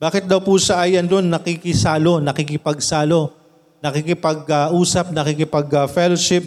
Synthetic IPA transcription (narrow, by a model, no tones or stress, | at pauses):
b̥aːkɪt̪̚d̪ɐwpusɐʔaːjɐnd̪onːɐkikɪsaːlo̞nɐkikɪpɐɡ̚saːlo̞ | nɐkikɪpɐɡɐʔuːsɐp̚nɐkikɪpɐɡɐfɛloʃɪp̚